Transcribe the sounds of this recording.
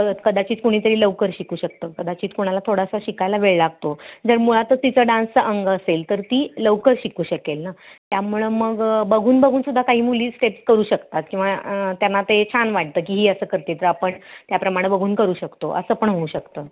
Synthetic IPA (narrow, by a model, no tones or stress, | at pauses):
kəd̪at͡ɕiːt͡skoɽ̃iːt̪əɾiːləʋkəɾɕikuːɕək̚t̪əːkəd̪at͡ɕiːt͡skoɽ̃alat̪ʰoɽasaɕikajlaʋeɭlaɡt̪od͡zəɾmuɭat̪ət̪it͡səːɖãnsəʔəŋɡəselt̪əɾt̪iːləʋkəɾɕikuːɕəkelnat̪jamuɭeməɡbəɡʱuːnbəɡʱuːnsud̪ʱːakaɦiːmuliːsʈepskəɾuːɕəkt̪at̪kĩw̃ʋat̪janːat̪et͡ɕʰanʋaʈ̚t̪əːk̬iːɦiːəsəːkəɾt̪et̪əɾapəɳt̪japɾəmaɽ̃ebəɡʱuːnkəɾuːɕəkt̪oʔə̰səːpəɳɦouɕəkt̪əː